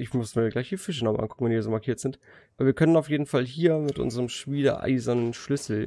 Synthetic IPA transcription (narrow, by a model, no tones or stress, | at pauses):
ʔɪçmʊsmiːɐɡlaɪçd̥iːfɪʃ̬ənɔmə̰ʔa̰nkʰʊkŋ̩vɛniɐzoːmaɐkʰiːɐtz̥ɪnt | ʔabɐviːɐkʰœnənaʊfjeːdn̩falɦiːɐmɪtʔʊ̰nzəʁəmʃmiːdə̰ʔa̰ɪzɐnənʃlʏsl̩